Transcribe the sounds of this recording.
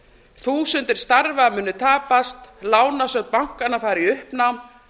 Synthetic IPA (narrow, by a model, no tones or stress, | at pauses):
θuːsʏnt̪ɪɾ̥st̪aɾvamʏːnːʏt̪ʰaːpast̪laːwnasœɣt̪̚pawŋ̥kanafaːjɾiʏhpna